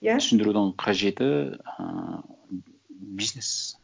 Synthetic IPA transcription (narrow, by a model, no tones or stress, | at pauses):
jsʏnd̪ɪɾud̪əɴqʰɑʒe̞t̪ɪə̰ | biznes